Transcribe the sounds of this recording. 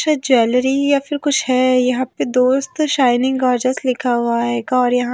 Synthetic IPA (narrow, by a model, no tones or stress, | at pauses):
ʃɐd͡ʒɛːlɾijafʰɪɾkʊt͡ʃʰɦɛjɐɦãped̪oːst̪ʃaːɪnɪ̃ŋɡɡaːɾd͡ʒəslɪkʰaɦʊaɦɛːɡaɔːɾjɐɦã